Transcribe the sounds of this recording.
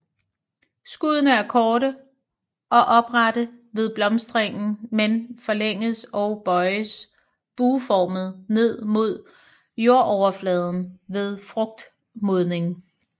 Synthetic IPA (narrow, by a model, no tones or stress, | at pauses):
sɡ̥uːðˠənəæɐkʰɒːɾə | ʔɒ̽ʔɒ̽b̥ʁɑd̥əʋe̝ðˠb̥lɒ̽msd̥ʁeŋ̰n̩menfɒ̽leŋ̰ð̩ˠsɒʊb̥ɒ̽ɪəs | b̥uːfɒːməð̩ˠne̝ð̞̰ˠmo̝ð̞̰ˠ | jo̝ɐ̰ʔɒʊɐflɛːð̞ˠn̩ʋe̝ð̞ˠfʁɔ̽ɡ̥̚d̥ | moð̞ˠne̝ŋ